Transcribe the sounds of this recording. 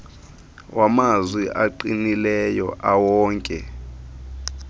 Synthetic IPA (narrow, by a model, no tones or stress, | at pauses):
wʔamazwiʔaǃinilɛjɔ̰ʔawɔːŋkʼɛ